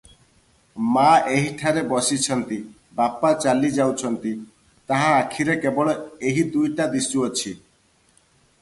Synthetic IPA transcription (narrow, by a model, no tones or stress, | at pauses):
maeɦiʈʰaɾebɔsit͡ʃʰɔnt̪i | bapat͡ʃalid͡ʒawt͡ʃʰɔnt̪i | t̪aɦãakʰiɾekebɔɭɔeɦid̪ujʈad̪isuɔt͡ʃʰi